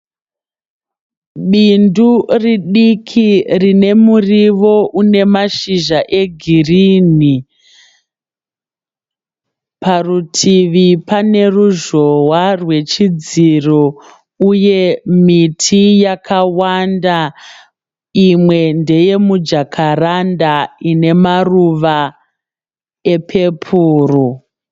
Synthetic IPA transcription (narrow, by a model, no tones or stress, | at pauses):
ɓinduriɗikʰirine̞muriʋo̞ʔune̞maʃiʒaʔe̞ɡʱirini | parutʰiʋipane̞ruʒo̞warwe̞t͡ʃid͡ziro | uje̞mitʰijakʰawanda | imwe̞nde̞je̞mud͡ʒakʰarandaine̞maruʋa | e̞pʰe̞pʰuːru